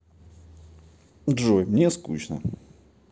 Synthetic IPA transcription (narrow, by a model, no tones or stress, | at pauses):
dʐojmnʲeskuɕnə̰